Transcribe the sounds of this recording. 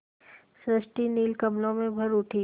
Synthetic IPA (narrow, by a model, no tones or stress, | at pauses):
sɾəsʈiniːlkɐmlõmẽbʱɐɾʊʈʰiː